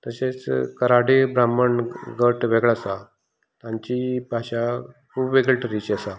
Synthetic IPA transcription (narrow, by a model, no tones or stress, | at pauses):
t̪əset͡skəɾaɽibɾaməɳɡəʈʋeɡɭasa | t̪ãɲt͡ɕibʱaɕakʰuːbʋeɡəlʈəɾit͡ɕasa